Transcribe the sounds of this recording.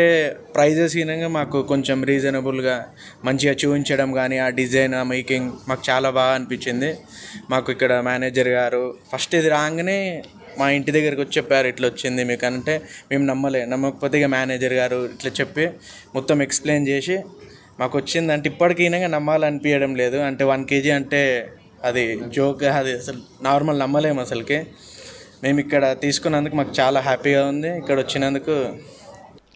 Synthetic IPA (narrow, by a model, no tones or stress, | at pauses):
epɾɐjd͡ʒes̬ɡinɐŋɡaːmaːkuko̞ɲt͡ʃemɾiːd͡ʒɐnɐbulɡaː | mɐɲt͡ʃiɐt͡ʃuːiɲt͡ʃɐɽɐmɡaːniaːɖid͡ʒɐjnaːmɐjkiŋɡmaːku̥t͡ʃaːlaːbaːɡɐɐnipiɲt͡ʃːind̪i | maːkuikːɐɽɐmjaːneːd͡ʒɐɾɡaːɾupʰɐsʈeːd̪iɾaːɐŋɡɐne̞ː | maːiɳʈid̪ɐɡːɐɾɐkʋot͡ʃːɛpːaːɾuiʈlɐot͡ʃːind̪imiːkɐnɐɳʈe̞ːmeːmunɐmːɐleːnɐmːɐkɐpoːt̪iɡaːmjaːneːd͡ʒɐɾɡaːɾuiʈlaːt͡ʃepːi | mɔt̪ːɐmeksple̞ːnt͡ʃe̞ːʂi | maːkʋɐt͡ʃːind̪iɐɳʈ̬eipːɐɽikiɡnɐŋɡaːnɐmːaːlɐnipijɐɽɐmle̞ːd̪uɐɳʈe̞ːʋɐnke̞ːd͡ʒiɐɳʈe̞ː | ɐd̪id͡ʒoːkɐd̪iɐsɐlu | naːɾmɐlnɐmːɐle̞ːmɐsɐlɐki | me̞ːmuikːɐɽɐt̪iːsu̥kunːɐnd̪ukumaːkut͡ʃaːlaːɦaːpiːɡaːund̪iːkːɐɽɐʋot͡ʃːinɐnd̪uku